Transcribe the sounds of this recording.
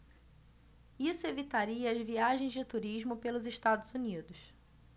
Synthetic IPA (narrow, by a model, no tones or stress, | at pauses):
isʊevit̪aɾiɐːzviaʒẽj̃zd͡ʒɪt̪uɾiʒmʊpelʊzeʃt̪ad̪ʊzunid̪ʊs